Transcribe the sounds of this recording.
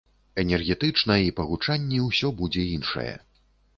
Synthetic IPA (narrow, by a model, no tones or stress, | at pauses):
ɛnʲɛrɣʲɛt̪ɨt͡ʂnɐipɐɣut͡ʂanʲːɛwsʲɔbud͡zʲɛinʂɐ̰jɛ̰